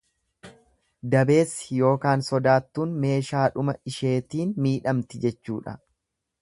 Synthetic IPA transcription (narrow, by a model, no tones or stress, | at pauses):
d̪ɐbe̞ːsːɪ̥jo̞ːkaːnsɔd̪aːt̪ːuːnme̞ːʃaːᶑʊmɐɪʃe̞ːt̪iːnmiːᶑɐmt̪ɪd͡ʒɛt͡ʃːṵːᶑɐ̰